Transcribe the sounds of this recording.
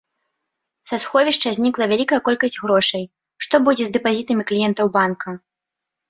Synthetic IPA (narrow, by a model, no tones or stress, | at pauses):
sasxɔvʲiʂt͡ʂɐzʲnʲiklˠɐvʲalʲikɐjɛkɔlʲkɐsʲd͡zʲɣɾɔʂɐj | ʂt̪ɔbud͡zʲɛzd̪ɛpazʲit̪ɐmʲiklʲijɛnt̪ɐwbankɐ